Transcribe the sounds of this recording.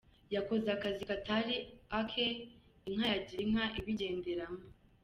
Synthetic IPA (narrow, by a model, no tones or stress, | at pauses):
jako̞zeakazikataɾiakʰeiŋ̥hajaɟiɾiŋ̥aʔiβiɟe̞ːndeɾamo